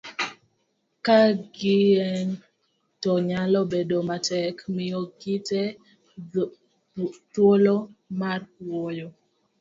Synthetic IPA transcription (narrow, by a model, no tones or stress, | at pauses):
kaɡɪɛŋ | tɔɲalɔbedomatɛkmɪjoɡɪte | twolomarwojo